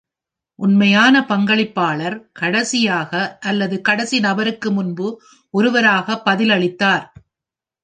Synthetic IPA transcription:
ʔʊnmɐjaːnɐpɐŋɡɐɭɪpːaːɭɐɾkɐɽɐsɪjaːɣɐʔɐlːɐðɯkɐɽɐsinɐbɐɾɯkːɯmʊnbɯ | ʔɔɾɯʋɐɾaːɣɐpːɐðɪlɐɭɪt̪ːaːɾ

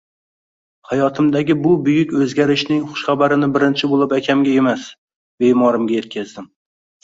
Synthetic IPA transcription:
hajɒt̪ʰɪmd̪aɡʲɪbʊbʊjʊkʲɵzɡʲaɾɪʃnɪŋχʊ̥ʃχabaɾɪnɪbɪɾɪnt͡ʃʰɪbolˠɪpakʲʰamɡʲae̞mas | be̞jmɒɾɪmɡʲaje̞t̪̚kʲʰazd̪ɪm

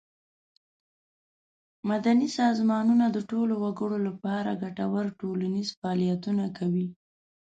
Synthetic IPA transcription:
mad̪anisɑzmɑnunad̪əʈolowaɡəɽolapɑɾa̰ɡaʈawəɾʈolanizfaɑlijat̪unakawi

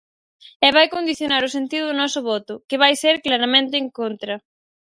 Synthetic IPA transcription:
ɛβajkond̪iθjonaɾʊsent̪iðʊðonɔsʊβɔt̪ʊkeβajseɾklaɾamẽnt̪ɪːŋkont̪ɾɐ

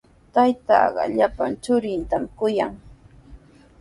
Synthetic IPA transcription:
t̪ajt̪ɑ̰ːɢɑ̰ʎapant͡ʃʊɾɪnt̪amkʊjaŋ

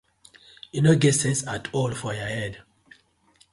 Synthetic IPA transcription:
junoɡɛtsɛ̃nsatʰɔlfɔjahɛd

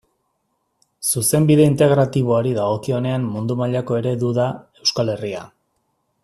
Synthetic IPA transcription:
suse̞mbiðe̞int̪e̞ɣɾat̪iβ̞o̞aɾiðaɣ̞o̞kio̞ne̞ammund̪umaʎako̞e̞ɾe̞ðuðae̞wskale̞ria̰

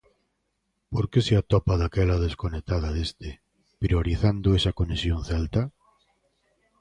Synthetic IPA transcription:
poɾkeseat̪ɔpaðakɛlaðeskonet̪að̞aðest̪e | pɾioɾiθand̪ʊesakonesjonθɛlt̪a

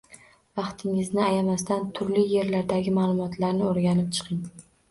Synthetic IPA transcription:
vɑqt̪ʰɪŋɪznɪajamast̪ant̪ʰʊɾlɪːe̞ɾlaɾd̪aɡʲɪmaːlˠʊmɒt̪ʰlaɾnɪoɾɡʲanɪp̚t͡ʃʰɨ̥qʰɪŋ

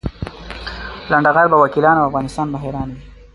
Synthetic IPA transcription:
laɳɖaɣaɾbawakilɑnawafɣɑnɪst̪ɑːnbaɦeɾɑːnawi

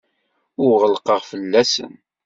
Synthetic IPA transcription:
ʊʁəlqəʁfəlːæsə̰n

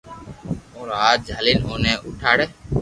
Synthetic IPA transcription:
oːɾaːt̪̚d͡ʒʱaːlinɦoːneːʔʊ̰ʈʰaːɽeː

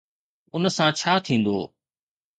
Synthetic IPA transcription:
ʊnəsãt͡ɕʰaːt̪ʰĩːn̆d̪o̰ː

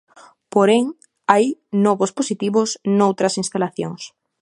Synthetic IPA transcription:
poɾeŋ | ajnɔβosposit̪iβosnowt̪ɾasinst̪alaθjo̰ŋs

